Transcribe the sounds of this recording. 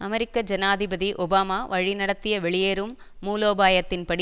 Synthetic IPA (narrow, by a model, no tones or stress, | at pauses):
ɐmɛɾɪkːɐd͡ʒɐnaːðɪbɐðiʔɔbaːmaːʋɐɻinɐɽɐt̪ːɪjɐʋɛɭɪjeːɾɯmː | uːloːbaːjɐt̪ːɪnpɐɽ